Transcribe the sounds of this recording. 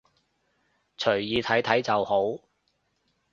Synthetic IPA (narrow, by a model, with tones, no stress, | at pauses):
t͡ʃʰɵ˨˩ɥjiː˨˧t̪ʰɐ˨˥jt̪ʰɐ˨˥jt͡sɐ˨who˨˥w